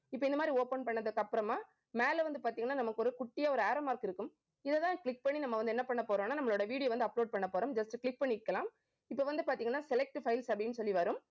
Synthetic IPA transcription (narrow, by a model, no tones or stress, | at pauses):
ɪpːoːɪnd̪ɐmaːd̪ɾioːpɐnpɐɳːɐðɯkːɐpːɯɾɐmaː | meːlʋɐnd̪ɯpaːɾt̪iːŋɐnːaːnɐmɐkːɯɔɾɯkʊʈːɪjɐɔɾɯaːɾoːmaːɾkɪɾɯkːɯm | ɪðɛt̪ãːkɭɪk̚pɐɳːinɐmːɐʋɐnd̪ɛnːɐpɐɳːɐpoːɾoːmnːaːnɐmːɐɭoːɽɐʋiːɽɪjoʋɐnd̪ɯɐploːɖ̚pɐɳːɐpoːɾoːmd͡ʒɐsʈɯkɭɪk̚pɐɳːiɪkːɐlãːm | ɪpːoʋɐnd̪ɯpaːɾt̪iːŋɡɐnːaːsɛlɛk̚ʈfɐɪlsɐpɽɪnːɯsɔlːiʋɐɾɯm